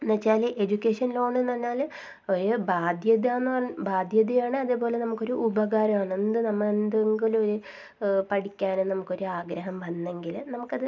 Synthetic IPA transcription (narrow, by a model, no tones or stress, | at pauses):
nɐt͡ɕːaːlʔe̞d͡ʑukʲːe̞ːʂɐnlo̞ːɳenːɐnːaːl | oɾubaːd̪jɐðaːnːɐɐbaːd̪ʱjɐðijaːɳɨɐðɨbo̞ːle̞nɐmukːo̞ɾuʔubɐɣaːɾɐmaːɳɨend̪ɨnɐmːɐend̪eŋɡiloɾu | pɐɽikʲːaːnennɐmukːo̞ɾuaːɡɾɐɦɐmʋɐnːe̞ŋɡilnɐmukːɐðɨ